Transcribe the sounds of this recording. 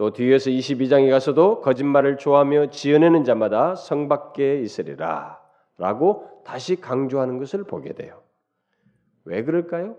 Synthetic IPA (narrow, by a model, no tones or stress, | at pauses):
t͈otuʌsʰɯiɕʰibid͡ʑaŋiɡasʰʌdokʌd͡ʑinmaɾɯɭt͡ɕoɦamjʌt͡ɕiʌnenɯnd͡ʑamadasʰʌŋbak̚k͈e̞is͈ɯɾḭɾa̰ | ɾa̰ɡotaɕʰikaŋd͡ʑoɦanɯnɡʌsʰɯɭpoɡe̞dwe̞̰jo | we̞kɯɾʌɭk͈ajo